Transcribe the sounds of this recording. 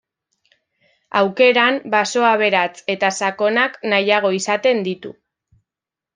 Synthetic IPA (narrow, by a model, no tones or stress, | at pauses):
awke̞ɾambaso̞aβe̞ɾat͡se̞t̪asako̞naknajaɣ̞o̞isat̪e̞nd̪it̪ṵ